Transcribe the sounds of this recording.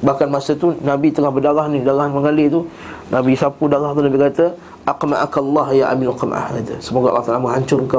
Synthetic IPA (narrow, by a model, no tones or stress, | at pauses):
bahkanmasət̪unabit̪əŋahbərdaɣahnĩdaɣahanməŋalɪt̪u | nʔabisapudaɣaht̪unabikat̪ə | ʔaqma̰ʔa̰kalːɑɦjaʔa̰mɪlaqəm̰ʔa̰had̪asəmoɡaʔa̰lːɑht̪alaməŋɦaɲt͡ʃʊrka